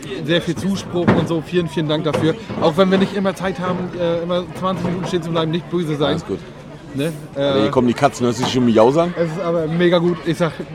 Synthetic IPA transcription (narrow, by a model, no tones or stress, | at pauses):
zeːɐfiːlt͡suːʃpʁ̥ʊxʊntz̥oːfiːlənfiːləndaŋk̚d̥afyːɐʔaʊxv̥ɛnviːɐnɪçtʔɪmɐt͡saɪthaːbm̩ʔɛːʔɪmɐt͡sv̥ant͡sɪçminuːtn̩ʃteːnt͡sublaɪbm̩nɪçt̚b̥øːzəzaɪnnsɡ̥uːt | nə | ʔɛːɐiɐkɔməndikʰat͡sn̩əsɪʃomijaʊzaŋɛs̬ɪstʔaːbɐmeːɡaɡuːtʔɪçz̥aːχ